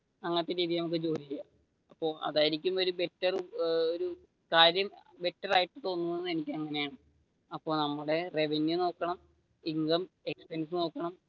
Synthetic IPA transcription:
ɐŋːɐt̪ːeɾiːðiɐnɐmɐk̬ːɨd͡ʑo̞ːɾiija | ɐpːo̞ːɐ̰ðaːjiɾikʲːumo̞ɾube̞tːɐroɾu | kaːɾjɐmbe̞tːɐraːjiʈːɨt̪o̞ːnːunːɐðe̞nikʲːɐŋːɐne̞jaːɳɨ | ɐpːo̞ːnɐmːuɽe̞re̞ʋenjuno̞ːkːɐɳɐm | iŋɡɐme̞kspens̬ɨno̞ːkːɐɳɐm

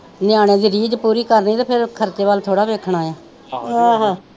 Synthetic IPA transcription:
nɪjãːɽ̃eːd̪iːɾiːd͡ʒpuːɾiːkəɾniːt̪aːpʰɪɾkʰəɾt͡ʃeːʋaːlt̪ʰoːɽaːʋeːkʰɽaːjaː | ɦãːɦãː

